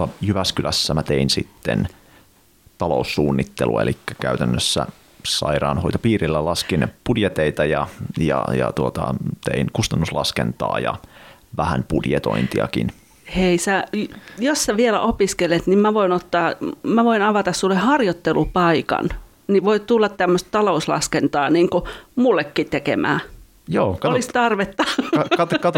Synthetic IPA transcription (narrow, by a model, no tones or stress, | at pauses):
ɑjyʋæskylæsːæmæt̪einsit̪ːen | t̪ɑlousːuːnːit̪ːelṵɑelʔikːækæyt̪ænːøsːæ̰ | sɑiɾɑːnhoit̪opiːrilːælɑskinpudjet̪eit̪ɑjɑjɑ̰jɑt̪uot̪ɑ̰t̪einkust̪ɑnːuslɑskent̪ɑ̰ːjɑ̰ʋæhænpudjet̪o̞̰int̪iɑ̰kḭn | heisæjossæʋielæ̰ʔopiskelet̪nimmæʋoinot̪ːɑːmæʋoinɑʋɑt̪ɑssulːehɑrjot̪ːelupɑikɑ̰n | niʋoit̪t̪ulːɑt̪t̪æmːøst̪t̪ɑlouslɑ̰skent̪ɑːniːŋkumulːekːit̪ekḛmæ̰ː | joːkɑolist̪ɑrʋet̪ːɑkɑt̪kɑt̪